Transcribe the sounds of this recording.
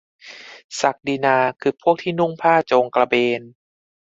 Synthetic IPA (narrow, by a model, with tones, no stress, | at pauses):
sa˨˩k̚di˧naː˧kʰɯː˧˩pʰu˥˩ək̚t̪ʰiː˥˩nu˥˩ŋpʰaː˥˩t͡ɕoː˧ŋkla˧beː˧n